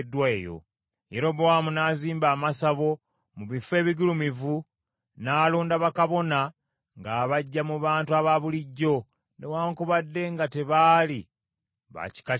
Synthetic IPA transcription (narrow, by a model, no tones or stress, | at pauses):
dːwaejo̞̰ | jeɾo̞βoamunaːziːmbaːmasaβo̞ | muβife̞ːβiɡulumivu | naːluːndaβakaβo̞na | ŋɡaːβaɟːamuβaːntuaβaβuliɟːo̞ | newaːŋkuβadːe̞ŋɡate̞βaːli | βa̰ci̥ka